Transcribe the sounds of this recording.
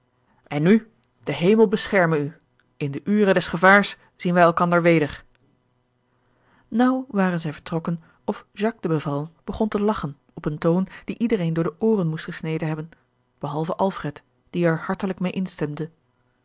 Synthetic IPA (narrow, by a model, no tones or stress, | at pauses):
ʔɛnːy | d̥əɦejməlˠbəsχɛɹməny | ɪndəʔyːrədɛsχəvaːɹs | z̥inʋɛjɛlˠkɑndəɹʋejdəɹ | nʌwʋaːrənzɛjvəɹtrɔkən | ɔfʒ̥ɑk̚dəbəvɑlˠənb̥əχɔntəlɑχən | ɔpəntownd̥iʔidərejndʊːɹdəʔoːrənmustχəsnejdənɦɛbən | b̥əɦɑlˠvəʔɑlˠfrɛt | d̥iaɹhɑɹtələkmejʔɪnstɛmdə